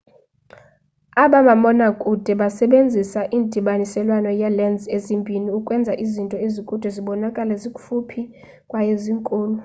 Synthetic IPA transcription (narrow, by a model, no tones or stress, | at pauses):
aɓaɓamɔnakʼud̥ʱɛɓasɛɓend͡zʱisaʔiːndʱiɓanisɛlwanɔjɛlɛnd͡zʱezimbʼʱiniukʼwɛnd͡zʱaʔizintʼɔezikʼud̥ʱɛziɓɔnakʼalɛzikʼufupʰi | kʼwajeziŋkʼuːlɔ